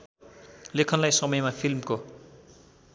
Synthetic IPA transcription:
lekʰʌnlajsʌmʌjmapʰilmko

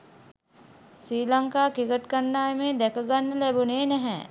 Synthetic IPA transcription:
siːlaŋkaːkikəʈkənːaːjemeːd̪ɛkəɡanːəlɛbuneːnɛɦɛ̰

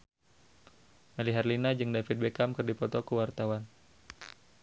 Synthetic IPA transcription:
maliɦarlinad͡ʒɨŋdafit̪̚bekamkɨrdipɔt̪ɔkuwart̪awan

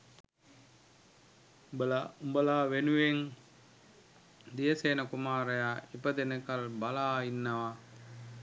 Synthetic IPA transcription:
bɐlaumbɐlaːʋenuʋeŋ | d̪ijɐseːnɐkumaːɾɐjaːipːɐt̪enekɐlbɐlaːjinːɐʋa

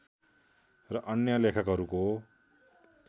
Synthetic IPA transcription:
rʌʔʌnjʌlekʰʌkɦʌɾuko

